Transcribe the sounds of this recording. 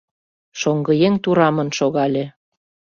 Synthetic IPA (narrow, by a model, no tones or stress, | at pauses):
ʃoŋɡɤ̆jeŋt̪uɾɑmə̆nʃoɣɑlʲe